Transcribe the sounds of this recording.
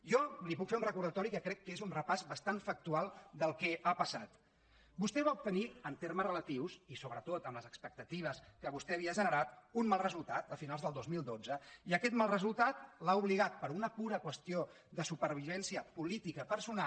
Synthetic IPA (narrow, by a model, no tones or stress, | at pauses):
jɔlipukfeunrəkuɾðət̪ɔɾikəkɾɛkːezunrəpazbəst̪anfək̚t̪ualˠd̪əlˠkɛʔapəsat̪ | bust̪ɛβaup̚t̪əniənt̪eɾməzrələt̪iwsisoβɾət̪ot̪əmləzəkspək̚t̪ət̪iβ̞əskəβust̪ɛːβiəːʒənəɾat̪unmalˠrəzulˠt̪at̪̚d̪əfinalˠzðəlˠd̪ozmilˠd̪od͡zəiəkɛt̪malˠrəzulˠt̪at̪̚lauβliɣ̞at̪̚pəɾunəpuɾəkwəst̪io | ðəsupəɾβ̞iβɛnsiəpulit̪ikəpəɾsuna